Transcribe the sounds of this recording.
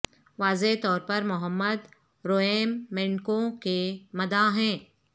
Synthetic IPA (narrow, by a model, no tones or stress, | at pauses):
ʋaːzet̪ɔːɾpɐɾmʊɦəmːəd̪ | ɾoːeːmːɪ̃ɳkõkemɐd̪aɦɛ̃ː